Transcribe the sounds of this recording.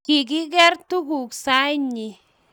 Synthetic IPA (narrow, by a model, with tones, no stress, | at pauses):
ki˨ɡi˦ɡe˦ɾt̪u˦ɡu˨ksa˦ɲi˧˨